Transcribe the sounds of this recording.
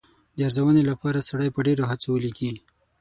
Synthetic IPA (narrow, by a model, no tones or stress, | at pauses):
d̪əaɾzawənelapɑɾasaɽəjpəɖeɾoɦat͡sowəliki